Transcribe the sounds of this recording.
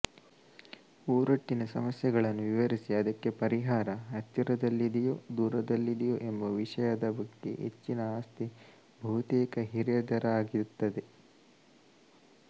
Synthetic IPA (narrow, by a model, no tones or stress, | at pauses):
uːɾɐʈːinɐsɐmɐsjɐɡɐɭɐnːuʋiʋɐɾisiɐd̪ɐkːe̞pɐɾiɦaːɾɐɐt͡ʃːɐɾɐd̪ɐlːid̪ijod̪uːɾɐd̪ɐlːid̪ɛjoʔe̞mbɐʋiʂɐjɐd̪ɐbɐɡːe̞̰ʔḛt͡ʃːinɐaːst̪i | bʱɐɦut̪ɛːkɐɦiɾɐjɐd̪ɐɾɐaːɡiɾut̪ːɐd̪e̞